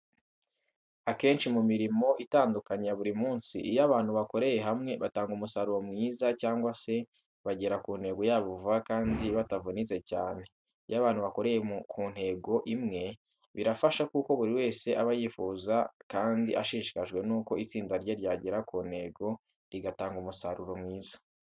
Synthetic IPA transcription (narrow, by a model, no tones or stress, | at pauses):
ake̞ːnʃimumiɾimo̞ʔitaːndukaɲaβuɾimuːnsḭʔijaβaːn̥huβako̞ɾe̞je̞ɦamŋe̞βataːŋɡumusaɾuɾomŋiːzacaːŋɡwase̞ | βaɟe̞ɾakuːn̥he̞ːɡo̞jaːβuvuakaːndiβatavunize̞ca̰ːne̞ | ijaβaːnhuβako̞ɾejekuːn̥he̞ːɡo̞ʔimŋe̞ | βiɾafaʃakuko̞βuɾiwe̞ːse̞ʔaβajiːfuːzakaːndḭʔaʃiʃi̥kaʒɡwe̞nuːko̞it͡siːndaɾɟeɾɟaːɟeɾakuːn̥he̞ɡo̞ | ɾiɡataːŋɡumusaɾuɾo̞mŋiːzḁ